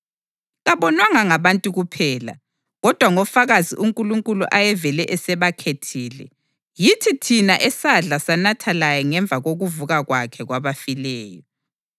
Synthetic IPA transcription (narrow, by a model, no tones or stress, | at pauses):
ɣaβɔnwaŋaŋaβantʼuɣupʰɛːla̰ | ɣɔd̥ʱwaŋɔfaɣazḭʔuŋkʼuluŋkʼuluʔajɛvɛlɛʔɛsɛβakʰetʰiːlɛ̰ | jitʰitʰinaʔɛsaɮasanatʰalajɔŋɛɱb̪vʱaɣoɣuvuɣaɣwakʰɛɣwaβafilɛːjɔ